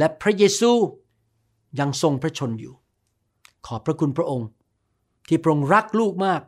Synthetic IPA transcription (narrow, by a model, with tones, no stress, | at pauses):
lɛ˦˥pʰɾa˦˥jeː˧suː˧ | ja˧ŋso˧ŋpʰɾa˦˥t͡ɕʰo˧njuː˨˩ | kʰɔː˩˦pʰɾa˦˥kʰu˧npʰɾa˦˥ʔo˧ŋ | t̪ʰiː˥˩pʰɾa˦˥ʔo˧ŋɾa˦˥k̚luː˥˩k̚maː˥˩k̚